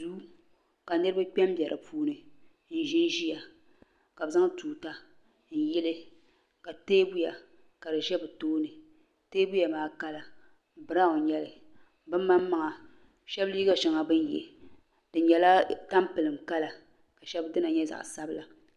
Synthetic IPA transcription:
duː˦ | ka˨nɨ˦ɾɨ˦ba˦k͡pʲɛ˦m˦bjɛ˨ɾʔɨ̰˨pʰuː˦nɨ˨ | n̩˨ʒɪ˦n˦ʒi˦ja˨ | ka˨bza˦ŋtuː˨ta˦ | n̩˨jɛ˦lɨ˦ | ka˨teː˦bu˦ja˨ | ka˨dɨ˨ʒɛ˦bɨ˨toː˦nɨ˨ | teː˦bu˦ja˨maː˨ka˦la˨ | bɨ˨ɾa˦o˨ɲɛ˦lɨ˨ | bɨ˦mː˦a˦mː˦a˦ŋa˨ | ʃɛ˦bli˦ɡa˦ʃɛ˨ŋa˨bɨ˦n˦jɛ̰˨ | d̥ɨ˨ɲɛ˨la˦ta˦mpɨ˨lɨ˨mka˦la˨ | ka˨ʃɛ˦bdɨ˦na˨ɲɛ˦za̰˨ʔsa˦bɨ˦la˨

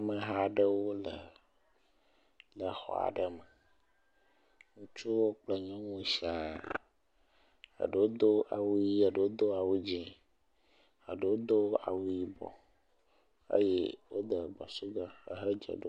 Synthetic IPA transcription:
mə˨ɦa˦ɖə˦wo˦lə˨ | lə˨xɔ̰˨a̰˨ɖə˦mə˨ | ŋũ˦t͡ʃu˦wo˦k͡plə˦ɲɔ̃˦ŋũ˦si˦a˨ | ə̰˨ɖə˨wo˦d̪o˦ʔa˨wu˦ji˦a˨ɖə˨wo˦d̪o˦a˨wu˦d͡ʑĩ˦ | a˨ɖə˨wo˦d̪o˦a̰˨wu˦ji˦bɔ̰˨ | ḛ˦je˦wo˦d̪ə˨ɡ͡ba̰˨su˦ɡa˦ə̰˨ɦə˦d͡ʒə̰˨ɖo˦

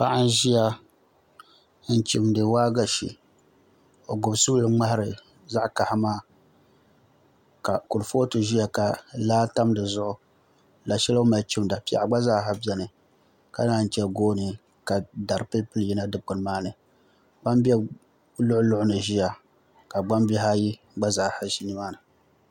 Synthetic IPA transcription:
pa˦ʔa˦n˦ʒi˦ja˦ | n̩˦t͡ʃi˨mdɨ˨waː˦ɡa˨ʃḭ˨ | o˨ɡʊ˨bsu˦lɨ˦ŋ͡ma˦hɾɨ˨ | za˦ʔka˨hmaː˦ | ka˨kʊ˨ɾfoː˦tɨ˨ʒi˦ja˨ka˨laː˦ta˦mdɨ˨zʊ˦ʔʊ˨ | la˨ʃɛ˦lo˦ma˨lt͡ʃɪ˦mda˨pi˨a̰˨ʔa˨ɡ͡ba˦zaː˦ɦa˦bɛ˦nɨ˨ | ka̰˦naː˦˨n̩˨t͡ʃɛ˦ɡoː˦nɨ˨ | ka˨da˨ɾpe˦pɨ˦lji˦na˦dɨ˨pʊ˨n˨maː˦nɨ˨ | ɡ͡ba˦mbɛ˦ | lʊ˦ʔʊ˦lʊ˦ʔʊ˦nɨ˨ʒi˦ja˨ | ka˨ɡ͡ba˦mbi˦ɦa˦ji˦ | ɡ͡ba˦zaː˨ha˨ʃi˦ni˦maː˦nɨ˨

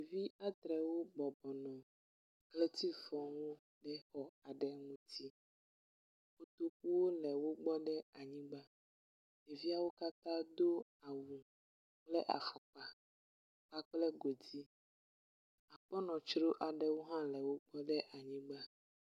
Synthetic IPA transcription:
vi˦a˦t̪ɾɛ˨wo˦bɔ˨bɔ˨nɔ̃˨ | klɛ˦t̪i˦fɔ̃˨wo˦ | ɖɛ˦xɔ˨a˨ɖɛ˨ŋũ˦t̪i˦ | wo˦t̪o˦k̚u˦wo˦lɛ˨wo˦ɡ͡bɔ˦ɖɛ˦a˨ɲĩ˦ɡ͡ba˦ | ne˨vi˦a˦wo˦ka˦t̪ã˦d̪o˦a˨wu˨ | k͡plɛ˦ʔa̰˨fa˨k͡pa˨ | k͡pa˦k͡plɛ˦ɡo˨di˦ | a˨k͡pɔ˦nɔ̃˨t͡ʃɾo˦ʔa˨ɖɛ˨wo˦ɦã˦lɛ˨wo˦ɡ͡bɔ˦ɖɛ˦ʔa˨ɲĩ˦ɡ͡ba˦

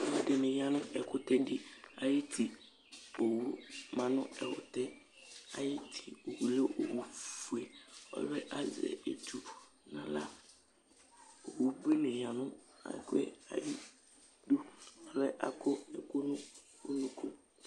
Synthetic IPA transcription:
mʊ̃˨dɪ˨nɪ̃˨ja˨nʊ̃˦ʔɛ˨kʊ˦t̪ɛ˦dɪ˦a˨jɪ˦tʰi˨ | o˨wu˦mã˨nʊ̃˦ɛ˨hʊ̰˨t̪ɛ˦ | a˨jɪ˦tʰi˨o˨wu˨lo˦ʔo˨wu˦fu˨e˨ɔ̰˨lɛ˦ʔa˦zɛ̰˨ḛ˨tu˦ | nã̰˨la˦ | o˨wu˦bi˦nẽ˨ja˨nʊ̃˦a̰˨kʊ˦ɛ̰˦a̰˨ji˦ | du˦ɔ˨lɛ˦ʔa̰˨kʰʊ˦ɛ˨kʊ˦nʊ̃˦ | o˦nũ˨kʰu˦

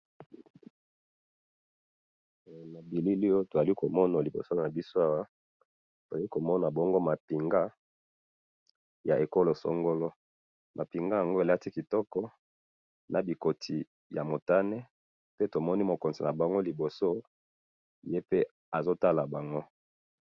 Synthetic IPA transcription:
na˨bi˨li˦li˦jo˦to˨za˨li˦ko˨mɔ˦na˨li˨bo̰˨so˦na˨bi˦so˦a˦wa˦ | to˨za˨li˦ko˨mɔ˦na˨bɔ˦ŋɡo˦ma˨pi˨ŋɡa˦ | ja˨ʔe˨ko˦lo˨so̰˦ŋɡo˦lo˦ | mʔa˨pi˨ŋɡa˦ja˨ŋɡo˦e˨la˦ti˦ki˨tɔ˦kɔ˦ | nʔa˨bi˨ko˨tʰi˨ | ja̰˨mo˨ta˦ne˦ | pe˦to˨mɔ˦ni˦mo˨ko˨nzi˨na˨ba˨ŋɡo˦li˨bo˨so˦ | je˦pe˦ | a˨zo˦ta˦la˨ba˨ŋɡo˦

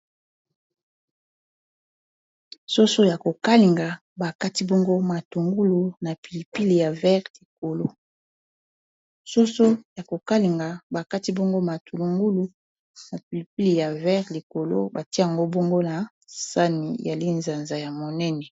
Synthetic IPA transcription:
so˦so˦ja˨ko˨ka˦li˨ŋɡa˨ | ba˨ka˦ti˦bɔ˦ŋɡo˦ma˨tu˨ŋɡu˦lu˨na˨pi˨li˨pi˦li˨ja˨vɛ˦ʁli˨k̚o˨lo˦ | so˦so˦ja˨ko˨ka˦li˨ŋɡa˨ba˨ka˦ti˦bɔ˦ŋɡo˦ma˨tʰu˨lu˨ŋɡu˦lu˨ | na˨pi˨li˨pi˦li˨ja˨vɛ˦ʁli˨ko˨lo̰˦ba˨ti˦a˨ŋɡo˦bɔ˦ŋɡo˦na˨ | sa˦nḭ˨ja˨li˦nza˨nza˨ja˨mo˨nɛ˦nɛ˨

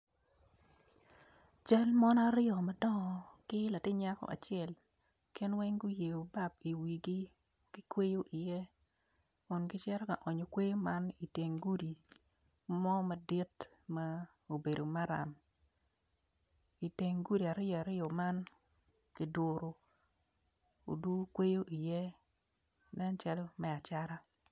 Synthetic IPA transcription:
t͡ʃa˦lmɔ˦n˦a˦ɾɪɔ˨ma˨dɔ˦ŋɔ˨kɪ˦la˨tɪ˦ɲa˦kɔ̰˦ʔa̰˨t͡ʃɪɛ˨l | kɪ˦nwɛ˦ŋɡʊ˦je˨o˨ba˦p̚i˨wi˨ɡi˦ | kɪ˦kwe˦jo˦ʔɪ˨jɛ˦ | kʊ˨nkɪ˦t͡ʃɛ˦ɾɔ˦ka˨ʔɔ˨ɲo˨kwe˦jo˦ma˦ni˨te˨ŋɡu˦di˨ | mɔ˦mɐ˨dɪ˦t | ma˦ | o˨be˨do˨ma˦ɾa̰˨m | i˨te˨ŋɡu˦di˨a˨ɾɪ˦jɔ˨a˨ɾɪ˦jɔ˨ma˦n | kɪ˨dʊ˨ɾo˨ | o̰˨du˦kwe˦jo˦ʔi˨jɛ˦ | nɛ˦nt͡ʃa˦lɔ˦mɛ˦˨a˨t͡ʃa˦ɾa˦

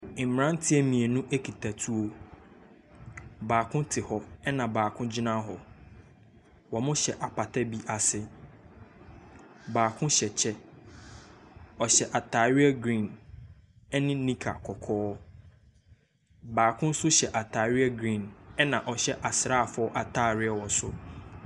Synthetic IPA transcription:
m̩˨m˨ɾã˦n̩˦tʰɪ˦ɛ˦mĩ˨e˨nũ˦ʔe˦kʰi˨tʰa˨tʰu˦o˨ | baː˨kʰʊ̃˦tʰɪ˨hɔ˦ɛ˦nã˨baː˨kʰʊ̃˦d͡ʑi˦nã˦ɦɔ˨ | wɔ˨mʊ̃˦ɕɛ˨ʔa˨pʰa˨tʰa˦bi˦ʔa˨sɪ˦ | baː˨kʰʊ̃˦ɕɛ˨t͡ɕʰɛ˦ | ɔ˨ɕɛ˨ʔa˨tʰa˨ɾɪ˦ɛ˦ɡɾĩ˦˨n | ɛ˦nɪ̃˦nĩ˦kʰa̰˨kʰɔ˨kʰɔː˦ | baː˨kʰʊ̃˦n̩˦sʊ˦ɕɛ˨ʔa˨tʰa˨ɥɪ˦ɛ˦ɡɾĩ˦˨nɛ˦nã˨ʔɔ˨ɕɛ˦ʔa˨sɾaː˦˨fʔa˨tʰaː˦˨ɾɪ˦ɛ˦wɔ˨sʊ˦

